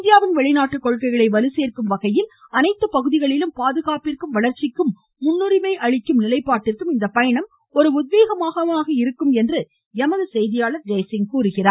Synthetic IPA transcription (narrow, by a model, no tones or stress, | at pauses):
ɪnd̪ɪjaːʋɪnʋɛɭɪnaːʈːɯkːɔɻkɐɪɣɐɭɐɪʋɐlɯseːrkɯmʋɐɣɐjɪlɐnɐɪt̪ːɯpɐɣɯðɪɣɐɭɪlɯmpaːðɯɣaːpɪrkɯmʋɐɭɐɾt͡ʃɪkːɯmː | ʊnːɯɾɪmɐɪʔɐɻɪkːɯmnɪlɐɪpːaːʈːɪrkɯmɪnd̪ɐpːɐjɐɳɐm | ɔɾɯʊðʋeːɣɐmaːɣɐʋaːɣɐɪɾɯkːɯmɛndrɯ | jɛmɐðɐsɛjðɪjaːɭɐɾd͡ʒeːsɪŋkuːɾɯɣɪraːɾ